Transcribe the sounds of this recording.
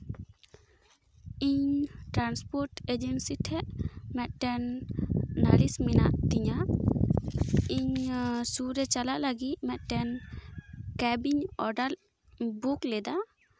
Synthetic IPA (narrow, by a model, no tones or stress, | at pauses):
iɲʈɾanspɔɾʈed͡ʒɛnsiʈ̪ʰɛʔmɛt̪̚ʈɛn | nalismina̰ʔt̪iɲa | iɲsuɾɛt͡ʃalaʔlaɡit̪̚mɛt̪̚ʈɛn | kɛbiɲɔɖal | buklɛd̪a